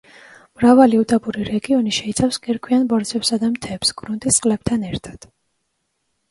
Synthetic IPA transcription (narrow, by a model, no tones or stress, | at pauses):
mɾavaliut̪ʼɔpʼuɾiɾɛɡiɔniʃɛit̪sʰafskʼiɾkʰwianbɔɾd̪zɛpsad̪amt̪ʰɛpsɡɾunt̪ʼist̪sʼqʼlɛb̥̚t̪ʰanɛɾt̪ʰḁd̪̥